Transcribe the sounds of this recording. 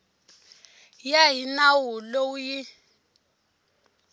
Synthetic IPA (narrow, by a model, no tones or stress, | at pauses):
jaɦinawulouji